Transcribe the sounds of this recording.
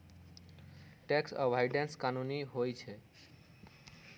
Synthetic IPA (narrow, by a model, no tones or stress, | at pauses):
ʈeksə̰bʱajɖenskanuniɦojt͡ʃʰe